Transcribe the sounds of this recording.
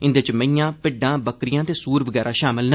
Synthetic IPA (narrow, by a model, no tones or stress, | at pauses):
ɪ̃nd̪et͡ʃmə̃ĩjãːpɪɖãːbəkɾɪjãːt̪eːsuːɾʋəɡɛːɾaːʃaːmɪlnə